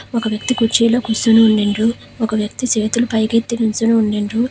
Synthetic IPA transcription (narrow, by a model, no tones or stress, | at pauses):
ɔkɐʋjɐk̚t̪ikut͡ʃiːloːkusunuuɳɖeɳɖu | ɔkɐʋjɐk̚t̪it͡ʃeːt̪ulupɐjɡet̪ːinunt͡ʃunuuɳɖeɳɖu